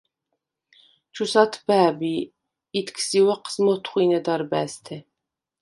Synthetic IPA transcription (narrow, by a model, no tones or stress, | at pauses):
t͡ʃʰusɑt̪ʰbæːbiː | t̪ʰkʰsiwɛqʰə̥smɔt̪ʰχʷinɛd̪ɑɾbæːst̪ʰɛ